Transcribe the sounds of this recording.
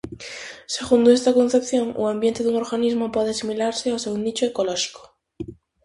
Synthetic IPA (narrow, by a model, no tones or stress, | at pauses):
se̞ɣund̪oest̪akonθe̞pθjo̞ŋṵambje̞nt̪eðuŋoɾɣanizmopweðeasimilaɾseawseunit͡ʃoekoloʃi̥ko̥